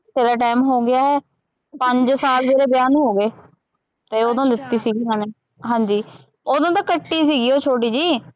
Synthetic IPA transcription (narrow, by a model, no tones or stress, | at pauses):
t̪eːɾaːʈaːmɦoːɡɪjaːɦɛː | pəɲd͡ʒsaːlʋeːɾeːbjaːnːɦoːɡeː | t̪eːoːd̪õːlɪt̪ːiːsiːɡiːɦəneː | ɦãːɲd͡ʒiː | oːd̪õːt̪ãːkəʈːiːsiːɡiːoːt͡ʃʰoːʈiːd͡ʒiː